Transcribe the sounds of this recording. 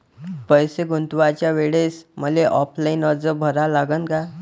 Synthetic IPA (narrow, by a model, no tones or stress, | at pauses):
pəjseɡʱunt̪ʋat͡ɕjaʋeɭesməleʔɔpʰlainəɾd͡zəbʱəɾalaɡənka